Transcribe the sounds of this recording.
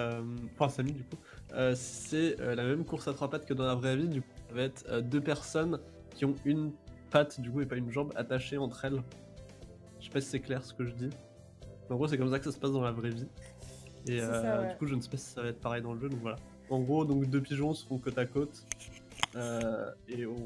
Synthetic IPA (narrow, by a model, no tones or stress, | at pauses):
ømfɛ̃samid̪yku | øssɛølamɛmkuʁsat̪χapat̪kəd̪ɑ̃lavʁɛvid̪yku̥savaɛt̪χød̪øpɛʁsɔn | kʲiɔ̃ynpat̪d̪ykuepaynʒɑ̃ba̰t̪aʃeɑ̃t̪χɛl | ʒʃɛ̥pasi̥sɛklɛʁsə̥kəʒəd̪i | ɑ̃ɡʁos̬ɛkɔms̬akə̥sasə̥pasd̪ɑ̃lavʁɛvi | eød̪ykuʒənəsɛ̥pasi̥savaɛt̪χpaʁɛjd̪ɑ̃ləʒød̪ɔ̃kvwala | ɑ̃ɡʁod̪ɔ̃kd̪əpiʒɔ̃səʁɔ̃kɔt̪akot̪ | øẽ